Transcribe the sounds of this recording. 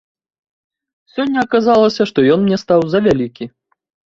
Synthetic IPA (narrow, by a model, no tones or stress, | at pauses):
sʲɔnʲːɐːkazalˠɐsʲɐʂt̪ɔjɔnmnʲɛst̪awzɐvʲalʲikʲi